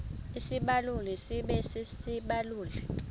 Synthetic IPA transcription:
isiɓalulɛsiɓɛsisiɓaluːlɛ

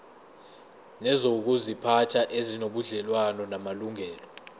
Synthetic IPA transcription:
nɛzok̬uzipʰatʰaʔezinoɓuɮɛlwanɔnamaluŋʱɛːlɔ

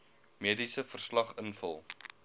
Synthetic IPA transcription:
miədisəfərslɐχənfəlˠ

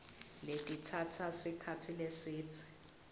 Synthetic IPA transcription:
letʼitʰatʰasikʰat͡sʰilesiːt͡sʰɛ̥

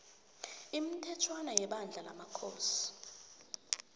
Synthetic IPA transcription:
im̩tʰɛtʰwanajɛɓand͡ɮʱala̰makʰoːsi̥

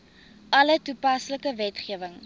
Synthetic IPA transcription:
ʔɐlətupɐsləkəvɛtχiəvəŋ

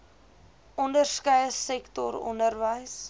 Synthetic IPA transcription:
ʔɔndərskəjəsɛktɔ̰ɾɔ̰ndərvəjs

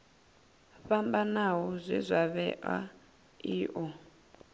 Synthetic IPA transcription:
ɸambanaɦɔzʷḭzʷaβɛʔa̰ | iːʔɔ

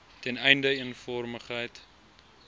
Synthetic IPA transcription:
tɛnɛjndəənfɔrməχɦəjt

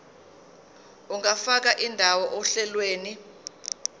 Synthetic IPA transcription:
uŋafak̬aʔindʱawɔʔɔɬɛlweːni

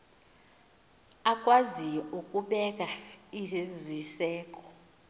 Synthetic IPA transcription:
akʼwaziɔukʼuɓɛkʼaizisɛːkʼɔ̥

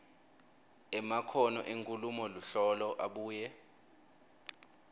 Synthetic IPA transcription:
ɛmakʰɔnɔʔeŋkʼulumɔluɬɔlɔʔaɓuːjɛ

